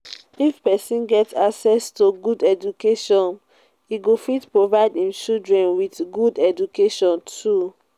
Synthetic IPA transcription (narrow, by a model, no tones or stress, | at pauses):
ifpɛsĩnɡɛtaksɛstoɡudɛd͡ʒukeʃɔ̃n | iɡofitpɹovaɪdĩmt͡ʃildɹɛ̃nwiθɡudɛd͡ʒukeʃɔ̃ntʰu